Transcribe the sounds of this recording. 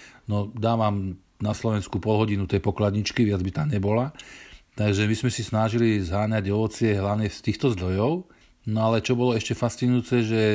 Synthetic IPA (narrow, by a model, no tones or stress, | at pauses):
nɔd̪aːʋam | naslɔʋɛnskupɔlɦɔɟinut̪ɛjpɔklad̪ɲit͡ʃkiʋɪad͡zbit̪aːɲɛbɔlat̪aɡʒɛmizmɛsisnaʒilizɦaːɲaɟɔʋɔt͡sɪɛɦlaʊɲɛfst̪iːxt̪ɔzd̪ɾɔjɔʊ | nɔalɛt͡ʃɔbɔlɔɛʃcɛfast͡sinujuːt͡sɛʒɛ